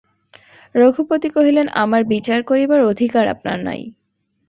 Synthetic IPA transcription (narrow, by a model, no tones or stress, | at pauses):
ɾoɡʱupot̪ikoɦilena̰maɾbit͡ɕaɾkoɾibaɾod̪ʱikaɾa̰pna̰ɾna̰j